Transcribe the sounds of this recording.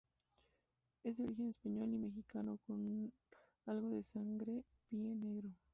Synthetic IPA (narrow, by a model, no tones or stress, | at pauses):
e̞zd̪eoɾixe̞nespaɲo̞lime̞xikanokon | alɣo̞ðe̞saŋɡɾe | pjeneɣɾo